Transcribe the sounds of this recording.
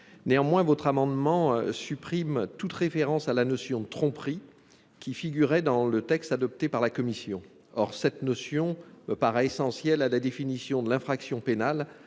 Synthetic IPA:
neɑ̃mwɛ̃vɔt̪χamɑ̃d̪mɑ̃sypχimt̪ut̪ʁefeʁɑ̃salanɔsjɔ̃d̪ət̪χɔ̃pχi | kʲifiɡyʁɛd̪ɑ̃lət̪ɛkst̪ad̪ɔp̚t̪epaʁlakɔmisjɔ̃ | ɔʁsɛt̪nɔsjɔ̃məpaʁɛesɑ̃sjɛlalad̪efinisjɔ̃d̪əlɛ̃fχaksjɔ̃penal

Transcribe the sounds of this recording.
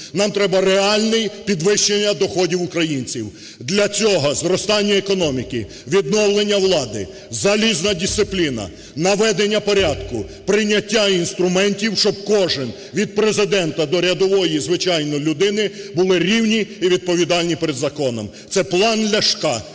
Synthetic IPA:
nɑmt̪ɾɛbɐreɑlʲnɪjpʲid̪ʋɪʃːenʲːɐd̪ɔxɔdʲiwʊkɾɐjinʲt͡sʲiw | d̪lʲɐt͡sʲɔɦɔzɾɔst̪ɑnʲːɐekɔnɔmʲikɪ | ʋʲid̪nɔwlˠenʲːɐwlˠɑd̪ɪ | zɐlʲiznɐdʲist̪ɪplʲinɐ̰ | nɐʋɛd̪enʲːɐpɔɾʲad̪kʊpɾɪnʲːɐtʲːainst̪ɾʊmɛnʲtʲiwʃt͡ʃɔb̚kɔʒɪn | ʋʲid̪̚pɾezɪd̪ɛnt̪ɐd̪ɔɾʲɐd̪ɔʋɔjizʋɪt͡ʃɑjnɔlʲʊd̪ɪnɪbʊlˠɪɾʲiwnʲiːʋʲid̪̚pɔʋʲid̪ɑlʲnʲipeɾed̪zɐkɔnɔm | t̪sɛplˠɑnd̪lʲɐʃkɑ

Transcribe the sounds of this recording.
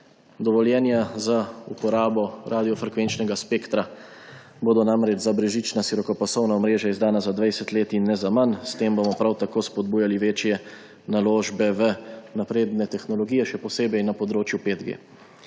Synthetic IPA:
d̪ɔʋɔljɛnjazaupɔɾaːbɔɾʔaːd̪ijɔfɾɛkʋent͡ʃnɛɡaspeːkt̪ɾa | boːd̪ɔnamɾɛd͡ʒzabɾɛʒit͡ʃnaʃiɾɔkɔpasɔwnaɔmɾeːʒjaizd̪aːnazad̪ʋajsɛt̪leːt̪inːɛzamanst̪eːmbomɔpɾawt̪akoːspɔd̪̚buːjaliʋeːt͡ʃjɛ | naloːʒbɛʋənapɾeːd̪nɛt̪ɛxnɔlɔɡiːjɛʃɛpɔseːbɛjnapɔd̪ɾoːt͡ʃjupeːd̪ɡḛː

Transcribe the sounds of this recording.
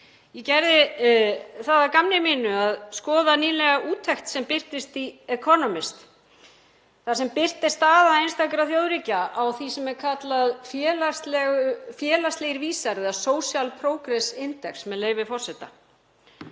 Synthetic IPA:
jɛcɛɾðɪ | θaðakamnɪmɪːnʏaðskɔːðaniːlɛɣaʔuːt̪ʰɛxt̪sɛmpɪr̥t̪ɪst̪iɛkʰɔnɔmɪst̪ | θḁsɛmpɪr̥t̪ɪst̪aːðaejnst̪akɾaθjoːwðɾicaawθisɛmɛɾkʰat̪laðfɛːlast̪lɛɣʏfjɛːlast̪lɛɣɪɾviːsaɾɛðasoːwsjalpʰɾoːwkɾɛsɪnt̪ɛksmɛðleːjvɪfɔr̥sɛt̪a̰

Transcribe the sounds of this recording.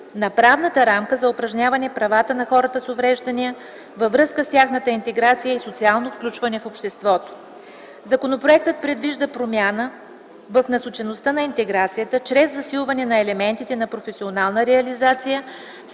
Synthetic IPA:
nɐpɾavnət̪əɾamkəzɐʊpɾɐʒnʲavɐnɛpɾɐvat̪ənɐxɔɾət̪əsovɾɛʒd̪ɐniə | vəvɾɤskəst̪ʲaxnət̪əint̪ɛɡɾat̪sijəisot̪sialˠnofklʲut͡ʃvɐnɛfopʃt̪ɛst̪vɔt̪o̥ | zɐkonopɾoɛk̚t̪ət̪̚pɾɛd̪viʒd̪əpɾomʲjanə | vɐfnɐsot͡ʃɛnost̪ənɐint̪ɛɡɾat̪sijət̪ət͡ʃɾɛzːɐsilˠvɐnɛnɐɛlɛmɛnt̪it̪ɛnɐpɾofɛsionalˠnəɾɛɐlizat̪sijə

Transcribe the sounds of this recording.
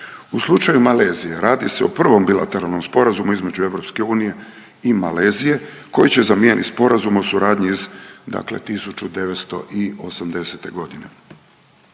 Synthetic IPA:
uslˠut͡ʃajumale̞ːzije̞ɾaːd̪iseopr̩ʋo̞mbila̰t̪e̞ɾalˠno̞mspo̞ɾazumuizme̞d͡ʑue̞ʋɾo̞pske̞uːnije̞ | ima̰le̞ːzije̞ | ko̞jit͡ɕe̞zamje̞nʔit̪spo̞ɾazumo̞suɾaːd̪ɲiizd̪a̰kle̞̰t̪isut͡ɕud̪e̞ʋet̪st̪o̞̰ʔio̞samd̪e̞se̞t̪e̞ɡo̞d̪ine̞

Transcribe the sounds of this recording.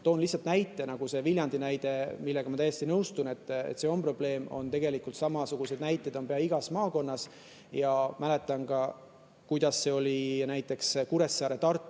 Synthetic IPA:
t̪o̞ːnlihsːɑlt̪næjt̪ːˑe̞nɑɡ̥use̞viljɑnd̪inæjd̪̥e̞milːe̞ɡ̥ɑmɑt̪æjːest̪inɤwst̪une̞t̪ːˑḛt̪se̞o̞mpro̞ble̞ːmo̞̰nt̪e̞ɡe̞likːˑult̪sɑmɑsuɡ̥used̪næjt̪ˑːed̪o̞mpe̞ɑiɡ̥ɑsmɑːko̞nːɑs | jɑmæle̞t̪ːˑɑnkɑ | kujd̪̥ɑsːe̞o̞lʲinæjt̪ːˑe̞kskuɾe̞sːɑːɾe̞t̪ɑrt̪ːˑu

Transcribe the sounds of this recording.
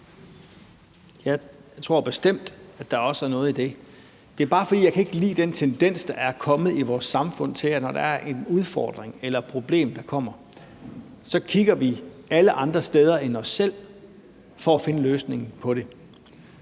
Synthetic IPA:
jɑ̈ɪt͡sʰʁo̝ɐ̰b̥e̝sd̥em̰d̥æd̥ɑ̈ɒ̽səæɐnɔ̽ːð̩ˠid̥e̝ | d̥e̝æɐb̥ɑ̈ːfɒ̽d̥ḭːjɑaɪkʰæe̝ɡ̥əlḭːd̥ent͡sʰend̥en̰sd̥ɑ̈ʔæɐkʰɒ̽mð̞̩ˠiʋɒːsːɑ̈mfɔ̽n̰t͡sʰe̝lænɒd̥ɑ̈æɐʔe̝nuð̞ˠfɒ̰ːd̥ʁeŋelɐpʰʁo̝b̥le̝̰ːmd̥ɑ̈kʰɒ̽m̰ɐ | sɒ̽kʰiɡ̥ɐʋi | æləʔɑ̈nd̥ʁɐsd̥eːð̞ˠɐʔenɒ̽sːel̰ | fɒ̽æfe̝nəløːsne̝ŋn̩pʰɒ̽ɾe̝

